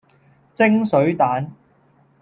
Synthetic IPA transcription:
t͡sɪ˥ŋsɵ˨˧˥ɥt̪aː˨˥n

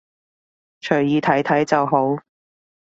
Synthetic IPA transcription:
t͡ʃʰɵ˨˩ɥjiː˨˧t̪ʰɐ˨˥jt̪ʰɐ˨˥jt͡sɐ˨wɦo˨˥w

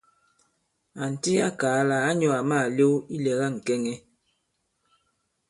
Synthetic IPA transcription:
a˨n̩˨ti˦a˦kaː˨˦laː˨˦ɲɔ˨a˨maː˦˨lo˦wi˦lɛ˨ɣa˦˨ŋ̩˨kɛ˦ŋɛ˦

